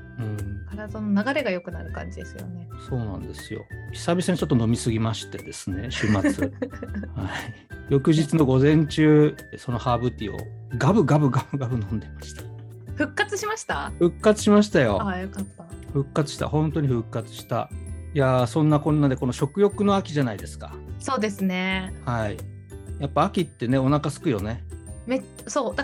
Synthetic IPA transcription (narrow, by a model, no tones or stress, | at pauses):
ɯ̟̃ɴkaɾad̪ononaɡaɾe̞ɡajo̞kɯ̟naɾɯ̟kã̰ɲ̟d͡ʑid̪esɨjo̞̰ne̞so̞ːnã̰nd̪e̞sɨjo̞̰kʲi̥sabʲisaɲit͡ɕo̞t̪ːono̞mʲisɨɡʲimaɕi̥t̪e̞d̪e̞sɨne̞ɕɨːmat͡sɨhai | jo̞kɯ̟ʑit͡sɨno̞ɡo̞zẽ̞ɲt͡ɕɨː | so̞no̞haːbɯ̟t̪ʲio̰ɡabɯ̟ɡabɯ̟ɡabɯ̟ɡabɯ̟nõ̞nd̪e̞maɕi̥t̪ḁ | ɸɯ̟kːat͡sɨɕimaɕi̥t̪aɸɯ̟kːat͡sɨ̥ɕimaɕi̥t̪ajo̞̰jokat̪ːaɸɯ̟kːat͡sɨ̥ɕi̥t̪a̰hõ̞nt̪o̞ɲ̟iɸɯ̟kːat͡sɨ̥ɕi̥t̪a̰jasõ̞nːakõ̞nːad̪e̞ko̞noɕo̞kɯ̟jo̞kɯ̟no̞akʲiʑanaid̪e̞sɨ̥ka̰so̞ːd̪e̞sɨnehai | japːaːkʲit̪ːe̞ne̞o̞nakasɨ̥kɯ̟jo̞ne̞me | soːd̪a